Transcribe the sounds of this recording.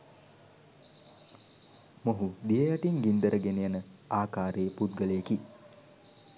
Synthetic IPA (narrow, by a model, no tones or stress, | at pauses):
moɦud̪ijəjaʈiŋɡind̪əɾəɡenejanəaːkaːɾeəput̪ɡəlejeki